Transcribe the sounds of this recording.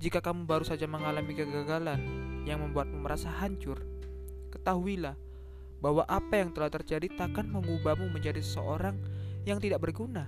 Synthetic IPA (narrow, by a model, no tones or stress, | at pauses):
d͡ʒikakamubaɾusad͡ʒaməŋalamikəɡaɡalanjaŋməmbuat̪̚muməɾasaɦaɲt͡ʃʊr | kə̥t̪aɦuilah | baɦwaʔapajaŋt̪əlaht̪ərd͡ʒadit̪akanməŋubamuməɲd͡ʒadisə̥səʔoɾaŋjaŋt̪idaʔ̚bərɡuna